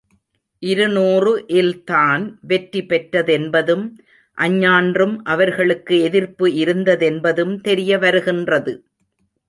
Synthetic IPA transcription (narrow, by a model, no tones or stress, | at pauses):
ʔɪɾɯnoːrɯʔɪlt̪aːnʋɛʈripːɛʈːɐðɛnbɐðɯm | ʔɐɲːaːndrɯmʔɐʋɐɾɣɐɭɯkːɯɛðɪɾpɯɪɾɯnd̪ɐðɛnbɐðɯmt̪ɛɾɪjɐʋɐɾɯɣɪndrɐðɯ